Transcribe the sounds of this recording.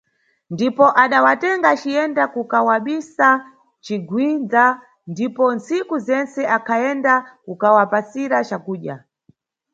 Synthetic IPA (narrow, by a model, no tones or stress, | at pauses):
ndipɔʔaɗawatɛŋɡat͡ʃijɛndakukawaɓisa | t͡ʃiɡwind͡za | ndipɔnt͡sikuzɛnt͡sɛʔakʰajɛndakukawapasiɾat͡ʃakuːɗja